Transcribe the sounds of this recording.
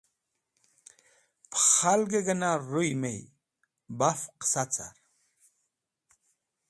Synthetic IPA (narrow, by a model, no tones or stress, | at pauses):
pʰχalɡeɡənaɾujmej | bafqsat͡sa̰ɾ